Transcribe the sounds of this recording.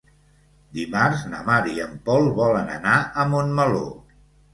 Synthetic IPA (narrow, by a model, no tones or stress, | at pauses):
d̪imarznə̰maɾiəmpɔlˠβɔlənə̰naəmonməlo̰